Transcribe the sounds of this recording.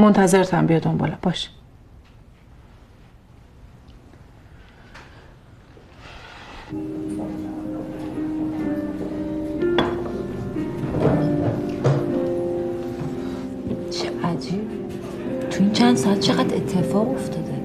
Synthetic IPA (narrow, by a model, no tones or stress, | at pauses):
mont̪ʰæzeɾt̪ʰæmbijɒd̪ombɒ̰ːlæbɒːʃi̥ | t͡ʃʰeæd̪i | t̪ʰuint͡ʃʰænd̪sɒæt̪̚t͡ʃʰeɣæd̪ḛt̪ʰːefɒːɣoft̪ʰɒːd̪e